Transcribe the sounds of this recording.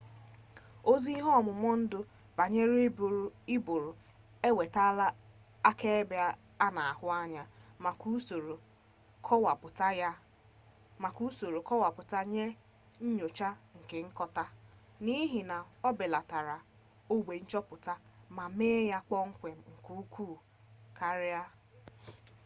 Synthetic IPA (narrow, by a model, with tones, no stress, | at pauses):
o˦zi˦ɦɔ˦˨mʊ˨mɔ˦n̩˦dʊ˦ | b̥a˨ɲe˦ɾbɾi˦bʊ˨ɾʊ˨ | e˦we˨ta˦la˦ | a˦ke˦e˦ba˦ | a˦na˨a˨hʊ˦a˦ɲa˨ku˦so˨ɾo˨ | kwa˨pʊ˨ta˦ | ma˨ku˦so˨ɾo˨kɔ˦wa˨pʊ˨ta˦ɲe˦ | ɲ̩˦ɲo˨t͡ʃa˦ŋ̩˨ke˨ŋ̩˦kɔ˦ta˦ | ni˦ɦi˨na˨ɔ˦bɪ˨la˨ta˨ɾa˨ | o˦ɡ͡bʷe˨n̩˦t͡ʃɔ˦pʊ˨ta˦ma˨meː˦ja˦k͡pɔ˦ŋ̩˦kʷe˨m̩˨ŋ̩˨ku˦kʷuː˦˨ | kʰa˦ɾɪ˦a˦